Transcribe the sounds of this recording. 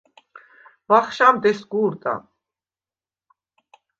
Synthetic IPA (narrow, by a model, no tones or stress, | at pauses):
vaχʃamd̪ɛsɡuːɾt̪ʼa̰